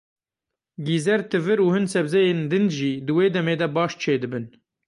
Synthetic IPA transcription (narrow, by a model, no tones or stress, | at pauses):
ɡiːzɛɾt̪ʰɨvɨɾuːhɨnsɛbzɛjeːnd̪ɨnd̪ʒiːd̪ɨweːd̪ɛmeːd̪ɛbɑːʃt͡ʃʰeːd̪ɨbɨn